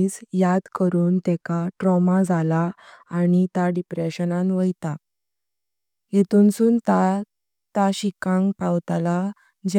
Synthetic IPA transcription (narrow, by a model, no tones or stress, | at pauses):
isjad̪kəɾuːnt̪ɛkaʈɾɔmad͡zʱalaːɽ̃it̪jaɖipɾeɕənãnʋəjt̪a | jet̪unsuːnt̪a | t̪aɕikãŋɡpawt̪ala | d͡ʑ